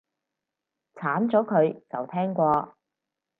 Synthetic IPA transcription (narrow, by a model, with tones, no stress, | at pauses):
t͡sʰaː˨˥mt͡sɔː˨˥kʰɵ˨˧ɥt͡sɐ˨wt̪ʰɛː˥ŋkʷɔː˧